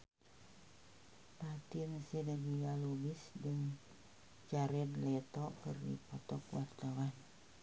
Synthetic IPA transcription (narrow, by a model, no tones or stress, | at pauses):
pat̪iŋsɛdəɡijalubisdəŋ | t͡ʃaɾɛnlɛt̪ɔkərdḭpɔt̪ɔkwart̪awan